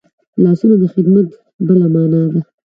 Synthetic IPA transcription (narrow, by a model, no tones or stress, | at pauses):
lɑsunod̪əxɪd̪mat̪ | bəlamɑnɑd̪a